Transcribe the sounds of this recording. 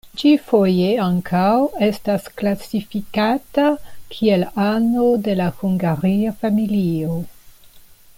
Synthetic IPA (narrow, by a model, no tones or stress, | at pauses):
t͡ʃifojeaŋkʰawe̞stasklasifikatakʰie̞lano̞de̞lahuŋɡaɾiafamilio